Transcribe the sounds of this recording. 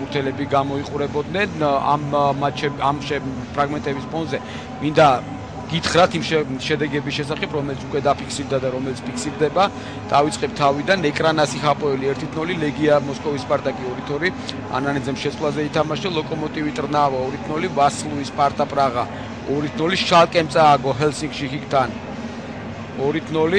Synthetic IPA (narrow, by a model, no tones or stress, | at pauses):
muɾt̪ʰɛlɛbiɡamɔiqʼuɾɛbɔd̪nɛna̰mːat͡ʃʰɛbamʃɛ | pʰɾaɡmɛnt̪ʼɛbispʰɔnzɛ | mind̪a | ɡ̥it̪ʰχɾat̪ʰimʃʃɛd̪ɛɡɛbisʃɛsaχɛpʰɾɔmɛlit̪sʰukʼwɛd̪apʰikʰsiɾd̪ad̪aɾɔmɛlit̪sʰpʰikʰsiɾd̪ɛba | d̪̥avit̪sʼqʼɛp̚t̪ʰavid̪anɛkʼɾanasiχapʼɔɛliɛɾt̪ʰit̪ʰnɔlilɛɡiamɔskʼɔvispʼaɾt̪ʼakʼiɔɾit̪ʰɔɾi | a̰nanid̪zɛmʃɛt̪sʼlˠazɛit̪ʰamaʃd̪alˠɔkʼɔmɔt̪ʼivit̪ʼɾnavaɔɾit̪ʰnɔlivaslˠuispʼaɾt̪ʼapʼɾaʁa | ɔɾit̪ʰnɔliʃalˠkʼɛmt̪sʼaːɡɔɦɛlsiŋɡʃikikt̪ʰan | ɔɾit̪ʰnɔli